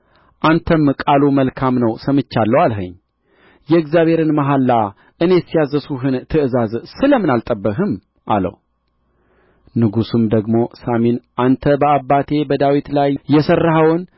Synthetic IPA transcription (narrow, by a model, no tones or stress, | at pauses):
ʔant̪ʰəmkʼaluməlkʰamnəwsəmɨt͡ʃːalːəwalɦə̰ɲː | jɛɨɡzjaβhe̞ɾɨnmaɦalːa | ʔɨne̞sijazəsuɦɨnt̪ʰɨʔɨzazsɨləmɨnalt̪ʼəbːəɦɨm | ʔa̰lə̰w | nɨɡusɨmd̪əɡmo̞saminʔant̪ʰəbəabːat̪ʰe̞bəd̪awit̪lajːɛsərːaɦəwɨn